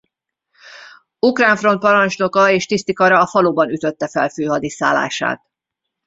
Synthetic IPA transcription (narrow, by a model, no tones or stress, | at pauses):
ukraːɱfro̞nt̪̚pɒɾɒnt͡ʃno̞kɒeːʃt̪ist̪ikɒɾɒːfɒloːbɒnyt̪ø̞t̪ːɛfɛ̰lføːɦɒd̪isa̰ːlːa̰ːʃa̰ːt̪